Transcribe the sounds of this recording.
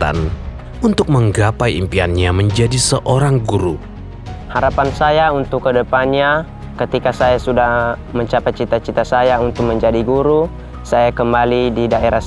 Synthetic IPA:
a̰n | unt̪ʊk̚məŋɡapajimpianɲaməɲd͡ʒadisəʔoɾaŋɡuɾu | haɾapansajaunt̪ʊkːədəpanɲa | kət̪ikasajasudahməɲt͡ʃapaj̚t͡ʃit̪at͡ʃit̪asajaunt̪ʊk̚məɲd͡ʒadiɡuɾu | sajakəmbalididaeɾa

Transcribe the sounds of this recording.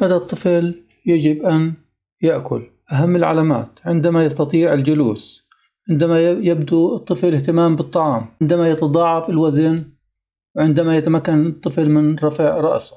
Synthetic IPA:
mad̪at̪ˤːɨfl | jad͡ʒɪbʔan | jaʔkʊ̰l | ʔaɦamːɪlʕa̰laːma̰ːt̪ʕɪnd̪amajɑst̪ɑt̪ˤiːʕɪld͡ʒʊlṵːs | ʕɪnd̪amajjabd̪uɨt̪ˤːɨflɪht̪ɪmaːmbɨt̪ˤːɑʕɑːmɪnd̪amajɑt̪ɑd̪ˤɑːʕɑfɪlwazɪn | wʕɪnd̪amajat̪amakːanɨt̪ˤːɨflmɪnɾˤɑfiːʕɾˤɑʔsʊ̥

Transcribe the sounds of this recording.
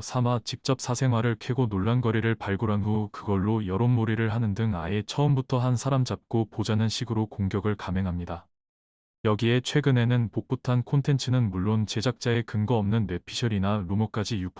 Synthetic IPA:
sʰamat͡ɕik̚t͡ɕ͈ʌp̚sʰasʰe̞ŋɦwaɾɯɭkʰeɡonoɭːanɡʌɾiɾɯɭpaɭɡuɾɦanɦukɯɡʌɭːojʌɾonmoɾiɾɯɭɦanɯndɯŋaet͡ɕʰʌɯmbutʰʌɦansʰaɾamd͡ʑap̚k͈opod͡ʑanɯnɕʰiɡɯɾokoŋɡjʌɡɯɭkame̞ŋɦamɲida | jʌɡie̞t͡ɕʰwe̞ɡɯne̞nɯnpok̚p͈utʰankʰontʰe̞nt͡ɕʰɯnɯnmuɭːont͡ɕe̞d͡ʑak̚t͡ɕ͈ae̞kɯŋɡʌʌmnɯnːe̞pʰiɕʰʌɾinaɾumʌk͈ad͡ʑijuk̚pʰ

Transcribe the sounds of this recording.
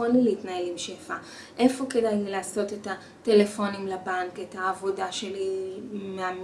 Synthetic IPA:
onlileitnaelimʃefa | ʔe̞fo̞ke̞dajileaːso̞te̞ta | te̞le̞fo̞nimlabaŋke̞taːvo̞daʃe̞limeam

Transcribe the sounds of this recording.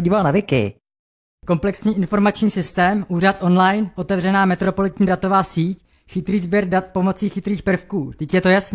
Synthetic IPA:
ɟiːvalnavɪkɪ̰ | ko̞mplɛksɲiːʔɪnfo̞ɾmat͡ʃɲiːsɪst̪ɛːmʔuːrat̪ʔo̞nlajnʔo̞t̪ɛvrɛnaːmɛt̪ɾo̞po̞lɪt̪ɲiːdat̪o̞vaːsiːc | xɪt̪ɾiːzbjɛɾdat̪̚po̞mo̞t͡siːxɪt̪ɾiːxpr̩fkuːt̪ɛcjɛt̪o̞jasn

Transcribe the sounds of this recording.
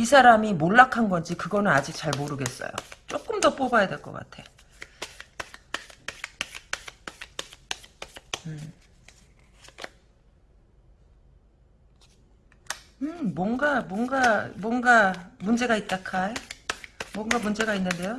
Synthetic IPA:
isʰaɾamimoɭːakʰanɡʌnd͡ʑikɯɡʌnɯnad͡ʑik̚t͡ɕaɭmoɾɯɡe̞s͈ʌ̰jo̰t͡ɕ͈ok͈ɯmdʌp͈obajadwe̞ɭk͈ʌ̰k͈a̰tʰe̞ | ɯ | ɯmwʌnɡamwʌnɡamwʌnɡamund͡ʑe̞ɡait̚t͈akʰae | mwʌŋɡamund͡ʑe̞ɡainːɯnde̞jo

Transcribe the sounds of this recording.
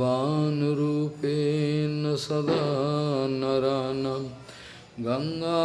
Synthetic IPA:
aːnuɾuːpenɐsɐd̪a | nɐɾaːnɐ | ɡɐŋɡaː

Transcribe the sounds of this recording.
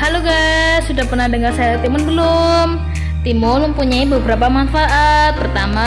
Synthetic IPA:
haloɡasudahpərnahdəŋarsajat̪imʊnbəlʊm | t̪imʊnməmpuɲaibəbəɾapamanfaʔat̪̚pərt̪ama

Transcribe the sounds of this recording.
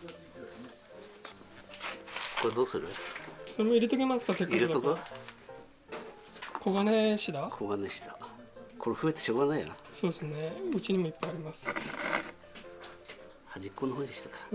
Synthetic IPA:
koɾed̪oːsɨɾɯso̞ɾe̞moiɾʲit̪o̞ɡʲemasɨ̥kase̞kːaiɾɯoko | kʰo̞ɡane̞ɕid̪akʰoɡaneɕi̥d̪a | kʰo̞ɾeɸɯ̟e̞t̪e̞̥ɕo̞ːɡanaijo̰so̞ːd̪esɨne̞ɯ̟t͡ɕiɲ̟imo̞ipːaiaɾʲimasɨ̥ | haʑikːoːnoɦoːɲd̪eɕi̥t̪akḁ

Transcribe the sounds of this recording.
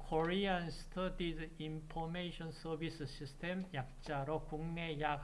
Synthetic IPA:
kʰoɾianst̪ʰʌd̪id͡ʑimpʰomeɕʰʌnsʌbisɯɕ͈ʰistʰemjak̚t͡ɕ͈aɾokuŋne̞ja

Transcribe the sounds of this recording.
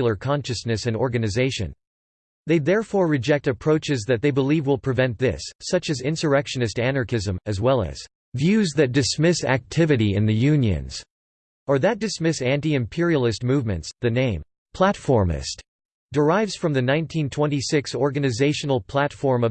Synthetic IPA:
l̩ˠə˞kʰɑ̃nʃɨsnɨsɨ̃nɔɹɡɨnɨzeɪʃɨ̰̃n | ðeɪðɛɹfɔɹɹɨd͡ʒɛk̚tɨpʰɹ̥oʊt͡ʃɨzðɨt̪̚ðeɪbəlivwəlˠpʰɹ̥ɨvɛ̃nðɪsːʌt͡ʃɨzɪ̃nsə˞ɛkʃɨnɨstænɑɹkɪzə̃mɨzwɛlˠɨ̰z̥ | vjʉzðɨt̚d̥ɨsmɪsæ̰k̚tʰɪvɨɾiɨ̰̃nðɨjʉ̃njɨ̰̃nz̥ | ə˞ðɨt̚d̥ɨsmɪsæ̃ntiɨ̃mpʰɪɹil̩ˠɨst̚muvmɨ̰̃ntsðɨnẽɪ̃m | pʰl̥ætfɔɹmɪ̰st | d̥ə˞aɪvz̥fɹʌ̃mðɨnãɪ̃ntʰĩntʰw̥ɛ̃nisɪksɔɹɡɨnɨzeɪʃɨn̩l̩ˠpʰl̥ætfɔɹmʌ

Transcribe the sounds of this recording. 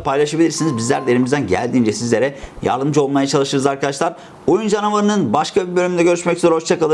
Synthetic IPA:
pʰajlˠaʃabilʲiɾsinizbizlʲæɾd̪eɾimizd̪ænɟæ̰lʲd̪iːnd͡ʒɛsizlʲe̞ɾɛja̰ɾd̪ɯmd͡ʒɯo̞lˠmajat͡ʃʰalˠɯʃɯɾɯzaɾkʰad̪aʃlˠaɾ | ojund͡ʒanavaɾɯnɯnbaʃkʰabibø̞lʲymynd̪ɛɟø̞ɾyʃmɛczoɾhot͡ʃt͡ʃʰakalˠɯ

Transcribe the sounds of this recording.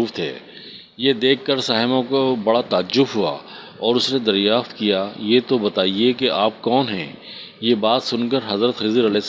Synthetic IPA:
uːft̪ʰɛ̰ː | jed̪eːkːəɾsaːɦɪmõkobɐɽat̪aːd͡ʒʊbɦua̰ | ɔːɾʊsned̪ɐɾjaːft̪kijajet̪obɐt̪aːiekeʔaːp̚kɔːnɦɛ̰̃ː | jebaːt̪sʊnkəɾɦɐzɾət̪xiːzəɾɐlɛs

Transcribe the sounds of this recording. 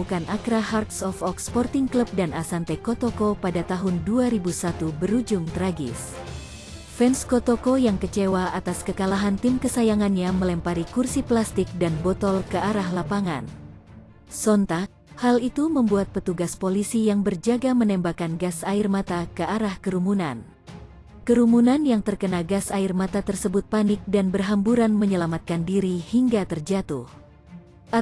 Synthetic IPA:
ukanʔakɾaɦart̪̚sɔfɔkspɔrt̪ɪŋkləp̚danasant̪ekɔt̪okopadat̪aɦʊnduaɾibusat̪ubəɾud͡ʒʊŋt̪əɾaɡɪ̰s | fɛnskot̪okojaŋkət͡ʃewaʔat̪askəkalaɦant̪ɪmkəsajaŋanɲaməlɛmpaɾikursiplast̪ɪk̚danbɔt̪ɔlkəaɾahlapaŋa̰n | sɔnt̪ak̚halit̪uməmbuat̪̚pət̪uɡaspolisijaŋbərd͡ʒaɡamənɛmbakanɡasairmat̪akəaɾahkəɾumunan | kəɾumunanjaŋt̪ərkənaɡasairmat̪at̪ərsəbʊt̪̚panɪk̚danbərɦambuɾanməɲəlamat̪̚kandiɾihiŋɡat̪ərd͡ʒat̪uh | ʔa

